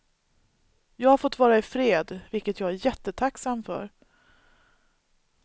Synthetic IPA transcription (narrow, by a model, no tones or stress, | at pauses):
jɑːɡhaɾfɔt̪ːvɑːɾaɪfɾeːd̪vɪlkət̪jɑːɡæɾjɛt̪ːət̪ʰaksamfœ̰ɾ